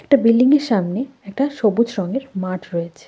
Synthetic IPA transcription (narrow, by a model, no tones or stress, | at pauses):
ɛk̚ʈabilːiŋeɾʃamneɛk̚ʈaʃobud͡ʑʃɾɔŋɡeɾmaʈʰɾɔet͡ɕʰe̥